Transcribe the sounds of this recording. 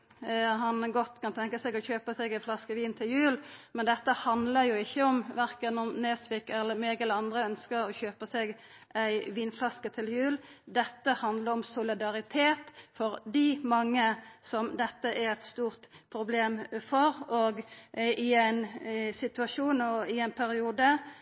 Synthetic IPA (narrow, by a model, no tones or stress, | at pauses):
ɦɑnɡɔt̪ːkʰɑnt̪ʰɛŋkəsɛɡɔçøːpəsɛɡæɪflɑskəʋiːnt̪ʰɪljʉːlmɛnd̪ɛt̪ːəhɑnd̪ləjʊɪçːəɔmʋæɾkənɔmneːsʋɪkɛlːəmeːɡəlɑnd̪ʁəœnskəɾɔçøːpəsɛɡ | ʔæɪʋiːnflɑskət̪ʰɪljʉːld̪ɛt̪ːəhɑnd̪ləɾɔmsʊlɪd̪ɑɾɪt̪ʰeːt̪fɔɾd̪ɪmɑŋːəsɔmd̪ɛt̪ːəʔæʁɛt̪st̪uːʁt̪pʰɾʊbleːmfɔɾoɡɪæɪnsɪt̪ʉɑʂuːnɔɪæɪnpʰæɾɪuːd̪ə